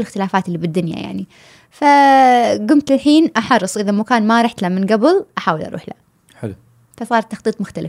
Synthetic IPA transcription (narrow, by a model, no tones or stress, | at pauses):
ɪlɪxt̪ɪlaːfaːt̪ɪlːiːbɪd̪ːʊnja̰ja̰ʕni | fa | ɡʊmt̪ɪlħiːnʔɑħɑɾrˤːɨsˤʔɪðamʊkaːnmaɾˤɑħt̪lamɪnɡabɪlʔaħaːwɪlʔɑ̰ɾṵːħla̰ | ħl | fasˤɑːɾˤt̪ːɑxt̪ˤiːt̪ˤmʊxt̪alɪf